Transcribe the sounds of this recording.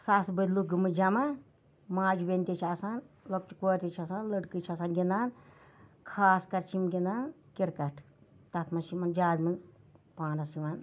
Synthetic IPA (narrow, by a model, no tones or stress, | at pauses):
sasbɨd̪luɡɨmɨd͡ʒɐmɐ | maːd͡ʒubenʲt̪ʲit͡ʃʰasaːn | lok̚t͡ʃi̥koːɾʲt̪ʲit͡ʃʰɐsaːnləɖkɨt͡ʃʰɐsaːnɡʲind̪aːn | kʰaːskɐɾt͡ʃʰimɡʲind̪aːn | kiɾkɐʈʰ | t̪ɐt̪ʰmɐt͡ʃʰimɐnd͡ʒaːzmɨnz | pãːnɐsiʋaːn